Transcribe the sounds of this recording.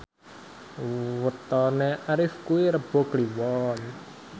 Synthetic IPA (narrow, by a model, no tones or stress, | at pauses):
wət̪ɔneʔaɾɪfkuwiɾəb̥ɔ̤kliwɔn